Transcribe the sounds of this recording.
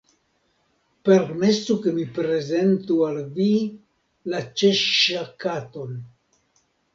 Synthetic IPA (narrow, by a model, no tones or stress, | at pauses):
pe̞ɾme̞suke̞mipɾe̞ze̞ntualvi | lat͡ʃe̞ʃakato̞n